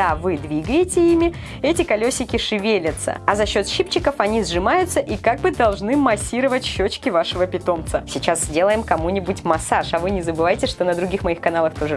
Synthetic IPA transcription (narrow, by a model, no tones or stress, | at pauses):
avɨd̪vʲiɡəjɪtʲɪimʲɪ | ɛtʲɪkɐlʲosʲːɪkʲɪʂɨvʲelʲɪt̪sə̰ɐzɐɕːo̞t̪ɕɨpt͡ɕːɪkəfɐnʲizʐɨmajʊt̪səʔikaɡ̚bɨd̪ɐlˠʐnɨmɐsʲːiɾəvətʲɕːot͡ɕkʲɪvaʂɨvəpʲɪt̪o̞mt̪səsʲɪt͡ɕaszʲdʲe̞lˠəjɪmkɐmunʲɪbʊtʲmɐsaʂɐvɨnʲɪzəbɨvajɪtʲɪʂt̪o̞nəd̪ɾʊɡʲixmɐixkɐn̪alˠəxt̪o̞ʐɨ